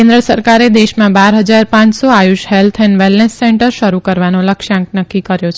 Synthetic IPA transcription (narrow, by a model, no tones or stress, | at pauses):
kẽnd̪ɾəsəɾkaɾed̪eʃmãbaɾɦəd͡ʒaɾpãt͡ʃsoajuʃhelt̪ʰɛnʋɛlnesːɛɳʈəɾʃəɾukəɾʋanoləkʃãŋk̚nəkːikəɾjot͡ʃʰ